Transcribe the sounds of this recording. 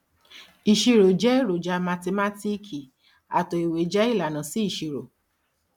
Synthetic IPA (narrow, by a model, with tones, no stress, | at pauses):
i˨ʃi˧ɾo˨d͡ʒɛ˦i˦˨ɾo˨d͡ʒa˧ma˧te˧ma˦ti˦kʰi˨ | a˨to˧i˨we˨d͡ʒɛ˦i˦˨la˨nã˨si˨˦i˦˨ʃi˧ɾo˨